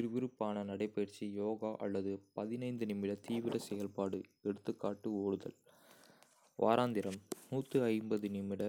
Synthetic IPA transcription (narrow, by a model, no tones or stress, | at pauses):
ɪɾɯʋɪɾɯpːaːnɐnɐɽɐɪpːɐjɐɾt͡ʃijoːɣaːʔɐ̰lːɐðɯpɐðɪnɐɪnd̪ɯnɪmːɪɽɐt̪iːʋɪɾɐsɛjɐlpaːɽɯɛɽɯt̪ːɯkːaːʈːɯoːɽɯðɐ̰l | ʋʔa̰ːɾaːnd̪ɪɾɐmːuːt̪ːɯɐɪmbɐðɯnɪmːɪɽɐ